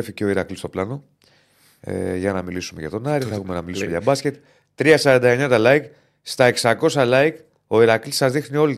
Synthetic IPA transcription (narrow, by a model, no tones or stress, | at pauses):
eficeo̞iɾɐklist̪o̞plɐno̞ | ḛʝɐnɐmilisume̞̰ʝɐt̪o̞nɐɾiθɐexume̞nɐmilisumeʝɐbɐsce̞t̪ | t̪ɾiɐsɐɾɐnd̪ɐe̞ɲɐt̪ɐlɐik | st̪ɐe̞ksɐko̞s̬ɐlɐik | o̞iɾɐklisɐzðixnio̞li